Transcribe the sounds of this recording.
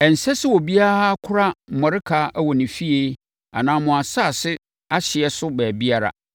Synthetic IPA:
ɛ˨n̩˨sɛ˦sɪ˦wɔ˨bi˦a˦ɾa˦kʰʊ˦ɾa˦m̩˨mɔ̃˨ɾɪ˦kʰa˦ʔwɔ˨nɪ̃˨fi˦e˦ | a̰˨nãː˦mʊ̃˨a˨sa˦˨sɪ˦ | a˦ɕɪ˨ɛ˨sʊ˦bɛː˨bi˦a˦ɾa̰˨

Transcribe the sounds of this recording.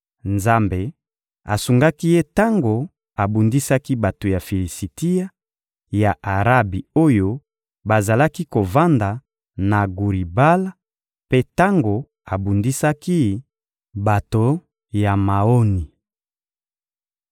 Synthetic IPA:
nza˦mbe˨ | a̰˨su˨ŋɡa˦ki˦je˦ta˦ŋɡo˨ | a˨bu˨ndi˦sa˦ki˦ba˨to˨ja˨fi˨li˨si˨ti˦ja˦ | ja˨ʔa˨ʁa˦bi˨o˦jo˦ | ba˨za˨la˦ki˦ko˨va˦nda˨ | na˨ɡu˨ʁi˨ba˦la˦ | pe˦ta˦ŋɡo˨ | a˨bu˨ndi˦sa˦ki˦ | ba˨to˨ | ja˨ma˨o˦ni˨

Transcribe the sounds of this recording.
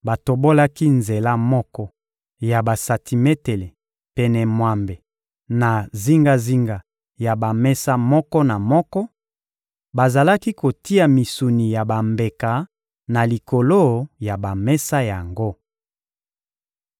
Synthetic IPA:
ba˨to˨bo˦la˦ki˦nze˨la˦mɔ˦kɔ˦ | ja˨ba˨sa˨tʰi˨me˦te˨le˨ | pɛ˨nɛ˨mwa˨mbe˨ | na˨zi˦ŋɡa˦zi˦ŋɡa˨ | ja˨ba˨mɛ˦sa˦mɔ˦kɔ˦na˨mɔ˦kɔ˦ | ba˨za˨la˦ki˦ko˨ti˦a˨mi˨su˨ni˨ja˨ba˨mbe˨ka˨ | na˨li˨ko˨lo˦ja˨ba˨mɛ˦sa˦ja˨ŋɡo˦

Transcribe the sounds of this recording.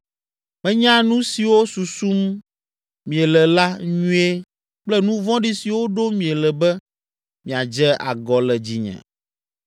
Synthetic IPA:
mɛ̃˦ɲã˦nũ˦si˨wo˦su˨su˦mː | ĩ˨ɛ˨lɛ˨la˦ɲũ˦e˦ | k͡plɛ˦nũ˦vɔ̃˦ɖi˦si˨wo˦ɖo˦mĩ˨ɛ˨lɛ˨bɛ˦ | mĩ˨a˨d͡ʒɛ˦ʔa̰˨ɡɔ˨lɛ˨d͡ʑi˨ɲɛ̰̃˨

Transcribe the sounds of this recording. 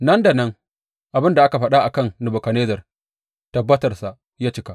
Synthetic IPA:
nɐ˦nda˨nɐ˦ŋ | ʔa˨bɪ˦nda˨ʔa˦ka˨ɸɐ˦ɗa˦ʔa˨kɐ˦˨ŋnʊ˨bo˨kɐ˨neː˦zɐ˨r | tɐ˨bːɐ˦tɐ˨rsa˨ʔ | jaː˦t͡ʃɪ˦ka˦

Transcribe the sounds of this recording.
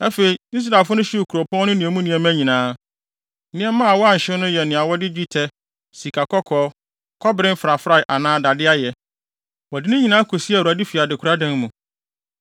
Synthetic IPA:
ɛ˦fe˨i˨i˦s̬ɾa˨fʊ˦nʊ̃˦ɕi˦u˨kʰu˨ɾo˨pʰɔ̃˦nʊ̃˦nĩ˨ɛ˨mũ˦nĩ˨ɛ̃˨mæ̃˦ɲĩ˨nãː˨˦ | nɪ̃˦ɛ˦mã˦a˨wɔ˦a˦˨ɲ̩˨ɕɪ̃˦nʊ̃˦jɛ˨nɪ̃˨a˨wɔ˦dɪ˦d͡ʑᶣi˦tʰɛ˦ | si˨kʰa˨kʰɔ˦kʰɔː˦ | kʰɔ˦bɪ˨ɾɪ̃˦m̩˦fɾa˨fɾa˦˨ʔa˨nãː˦da˨dɪ˦a˦jɛ˨ | wɔ˨dɪ˦nʊ̃˦ɲĩ˨nãː˦kʰo˨si˦a˨wu˨a˨di˦fi˨a˨dɪ˨kʰu˨ɾa˦dɛ̃˦nmũ˨

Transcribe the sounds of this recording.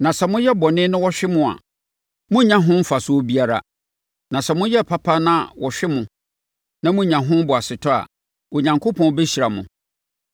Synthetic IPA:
nã˨sɛ˨mʊ̃˦jɛ˦bɔ˨nɪ̃˦nʊ̃˦wɔ˦ɕᶣɪ˦mʊ̃˦a̰˨ | mʊ̃˦ɲã˨ɦʊ̃˦m̩˦fa˨sʊ˦o˦bi˦a˦ɾa̰˨ | nã˨sɛ˨mʊ̃˦jɛ˦˨pʰa˦pʰa˦nã˦wɔ˨ɕᶣɪ˦mʊ̃˨ | nã˦mʊ̃˦ɲã˨ɦʊ̃˦m˦bʊ˨a˨sɪ˨tʰɔ˦a̰˨ | o˨ɲã˨ŋkʰo˦pʰɔ̃˦be˦ɕi˨ɾa˨mʊ̃˨

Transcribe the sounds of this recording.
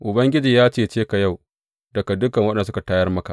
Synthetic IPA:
ʔʊ˨bɐ˦ŋɡʲɪ˦d͡ʒiː˨jaː˦t͡ʃeː˦˨t͡ʃeː˦ka˨ja˦˨w | dɐ˨ka˨dʊ˦kɐ˨ŋwɐ˦ɗɛ˨n˨˦s̬ʊ˦ka˨taː˦jɐ˦rmɐ˦ka̰˨ʔ

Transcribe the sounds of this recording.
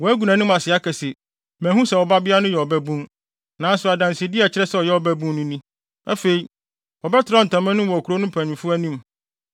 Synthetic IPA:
wɔ˨æ˦ɡu˨nã˨nʊ̃˦m˦a˨sɪ˨a˦kʰɛ˨sɛ˨ | mæ̃˨ɦũ˦sɛ˨wɔ˨ba˦bɪ˦a˦nʊ̃˦jɛ˨ɔ˨bæ˦bũ˦ŋ | nãː˨˦sʊ˨a˨dã˨nsɪ˨e˨dɪ˦ɛ˨t͡ɕʰɪ˦ɾɛ˦sɛ˨ɔ˨jɛ˦ɔ˨bæ˦bũ˦nʊ̃˦nĩ˦ | æ˦fe˨i˨ | wɔ˨bɛ˦tʰɪ˨ɾa˦n̩˨tʰã˨mã˦nʊ̃˦wɔ˨kʰu˨ɾo˦nʊ̃˦mpʰæ̃˨nɪ̃˨fʊ˦æ˦nĩ˦m

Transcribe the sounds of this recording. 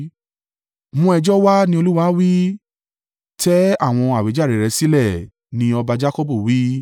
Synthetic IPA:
mũ˧ɛ˧d͡ʒɔ˦wa˦nĩ˧o˧lu˦wa˧˦wi˦ | tɛ˦a˦˨w̃ɔ̃˧a˨we˨˦d͡ʒa˦˨ɾɛ˨ɾɛ˧˦si˦lɛ˦˨ | nĩ˧ɔ˧ba˧d͡ʒa˦kɔ˦bu˦˨wi˦

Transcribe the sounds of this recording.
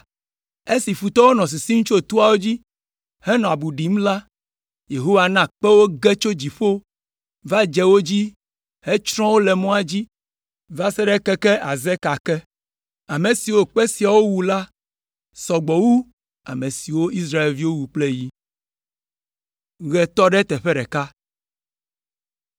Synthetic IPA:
e˦si˨fu˨t̪ɔ˦wo˦nɔ̃˨s̬i˨si˦ŋu˦t͡ʃo˦˨t̪u˦a˨wo˦d͡ʑi˦ | hɛ˦nɔ̃˨a˨bu˨ɖi˨m̩˦la˦ | je˨ɦo˦wa˨nã˦˨k͡pɛ˦wo˦ɡɛ˦t͡ʃo˦d͡ʑi˨ɸo˦ | va˦d͡ʒɛ˦wo˦d͡ʑi˦ | he˦t͡ʃɾɔ̃˦wo˦lɛ˨mɔ̃˦a˨d͡ʑi˦ | va˦sɛ˦ɖɛ˦kɛ˦kɛ˦ʔa˨zɛ˦ka˨kɛ˦ | a˨mẽ˨si˨wo˦k͡pɛ˦si˨a˨wo˦wu˨la˦ | sɔ˨ɡ͡bɔ˨wu˦ | a̰˨mẽ˨si˨wo˦i˦sɾa˦e˨lvi˦wo˦wu˨k͡ple˦ji˦ | ɣɛ˨t̪ɔ˦ɖɛ˦t̪ɛ˨ɸɛ˦ɖɛ˨ka˦

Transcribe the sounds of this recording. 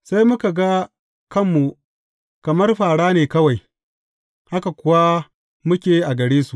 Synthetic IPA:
sa˦jmʊ˦ka˨ɡa˦ | kɐ˦mːu˨ | kɐ˨mɐ˦rɸaː˨ɽaː˦neː˨kɐ˦wa˨j | ha˦ka˨kʷʊ˦wa˦ | mʊ˦kʲeː˨˦ʔa˨ɡɐ˨ɽeː˦su˨

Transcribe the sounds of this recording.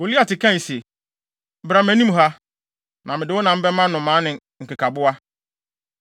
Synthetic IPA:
o˨li˦a˨tɪ˨kʰã˦˨se˨˦ | bɾa˨mæ̃˨nĩ˦m˨ɦa˦ | nʔã˨mɪ̃˨dɪ˨wʊ˦nã˨m̩˦bɛ˦ã˦nʊ̃˨mã˨˦nɪ̃˨ | ŋ̩˨kɪ˨kʰa˨bʊ˦a˦

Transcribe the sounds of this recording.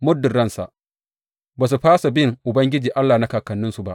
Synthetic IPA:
mʊ˦dːʊ˨rɽɐ˦nsa̰˨ʔ | baː˨s̬u˨ɸaː˦sa˨bɪ˦ŋʔʊ˨bɐ˦ŋɡʲɪ˦d͡ʒiː˨ʔa˦lːaː˨na˦kaː˨kɐ˨nːɪ˦nsu˨ba˦ʔ

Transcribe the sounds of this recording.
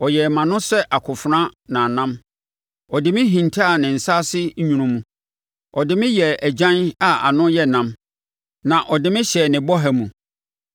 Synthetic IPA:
ɔ˨jɛ˨mã˨nʊ̃˦sɛ˦ʔa˨kʰʊ˨fɾã˦nã˨nã˦m | ɔ˨dɪ˨mɪ̃˦ɦĩ˨ntʰa˦˨nɪ̃˨n̩˨sa˦sɪ˦ɲũ˨ɾũ˦mũ˨ | ɔ˨dɪ˨mɪ̃˦jɛ˨æ˨d͡ʑã˦na˨a̰˨nʊ̃˦jɛ˦˨nã˦m | nã˨ʔɔ˨dɪ˨mɪ̃˦ɕɛ˨nɪ̃˨bɔ˦ɦæ˦mũ˨

